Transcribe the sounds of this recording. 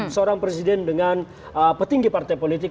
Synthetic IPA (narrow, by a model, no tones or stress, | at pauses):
səoɾaŋpɾɛsidɛndəŋan | əpərt̪iŋɡipart̪ajpolit̪ik